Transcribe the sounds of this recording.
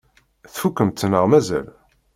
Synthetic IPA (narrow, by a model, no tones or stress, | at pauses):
θfukːəmt̪ːənəʁmæzæ̰l